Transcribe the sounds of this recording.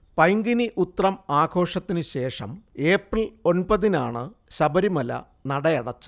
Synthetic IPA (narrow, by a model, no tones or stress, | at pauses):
pɐjŋɡiniʔut̪ːrɐmaːɡʰʱo̞ːʂɐt̪ːinɨɕe̞ːʂɐ̰me̞ːprilo̞npɐðinaːɳɨɕɐbɐɾimɐlɐ̰ | nɐɽɐjɐɽɐt͡ɕːu